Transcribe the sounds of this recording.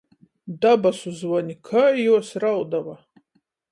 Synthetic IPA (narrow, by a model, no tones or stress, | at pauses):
dabasuzwanikʰɐjwɔsrawdɐwa